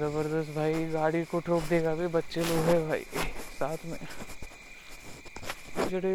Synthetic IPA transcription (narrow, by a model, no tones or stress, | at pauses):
ɐbəɾd̪əst̪bʱaːiɡaːɽikoʈʰoːk̚d̪eːkʰabebɐtːʃeloɡɦɛbʱaːḭsaːt̪ʰmẽ | d͡ʒɐɽe